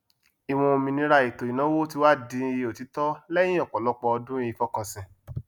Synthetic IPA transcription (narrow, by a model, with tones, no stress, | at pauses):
i˨w̃ɔ̃˧o˧mĩ˧nĩ˧ɾa˧i˨to˨i˨nã˨˦wo˦ti˧˦wa˦˨dĩ˧i˧o˨ti˨˦tɔ˦lɛ˦j̃ĩ˦ɔ˦˨k͡pɔ˨lɔ˦k͡pɔ˧ɔ˧dũ˦i˧˦fɔ˦kɔ̃˧˨sĩ˨